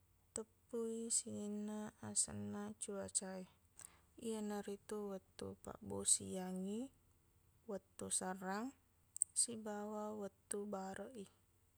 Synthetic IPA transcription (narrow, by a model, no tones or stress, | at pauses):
t̪əpːuisinaasə̰nat͡ʃuat͡ʃai | iənaɾit̪uwət̪ːṵpa̰ʔbosḭjaŋi | wət̪ːusaɾaŋ | sibawawət̪ːubaɾəʔi